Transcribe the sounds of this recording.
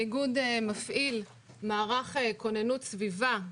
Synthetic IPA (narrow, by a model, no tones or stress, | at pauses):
iɡud̪mafʔil | maːʁaχekonenutsviva